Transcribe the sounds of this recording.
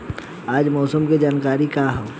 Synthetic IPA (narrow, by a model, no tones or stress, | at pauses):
aːd͡ʒmɔːsəmkid͡ʒaːnkaːɾikaːɦɛː